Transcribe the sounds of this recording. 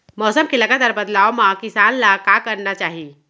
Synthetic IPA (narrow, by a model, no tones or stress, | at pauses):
mɔːsəmkelɐɡat̪aːɾbəd̪laːomãkɪsaːnlakakəɾnat͡ʃaːɦi